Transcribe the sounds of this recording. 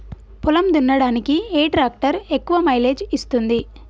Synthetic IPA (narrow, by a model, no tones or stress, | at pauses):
pulɐmd̪unːɐɽaːnikieːʈɾaːk̚ʈɐɾekːuʋɐmɐjle̞ːd͡ʒist̪und̪i